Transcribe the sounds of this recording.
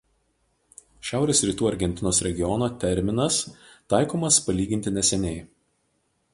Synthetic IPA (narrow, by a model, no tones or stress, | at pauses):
ʃʲæˑʊɾʲeːsɾʲiːt̪uːɐɾʲɡʲɛnʲt̪ʲɪnoːsɾʲɛɡʲɪɔnoːt̪ʲɛɾʲmʲɪnɐst̪ɑˑɪkoːmɐspɐlʲiːɡʲɪnt̪ʲɪnʲɛsʲɛnʲɛɪ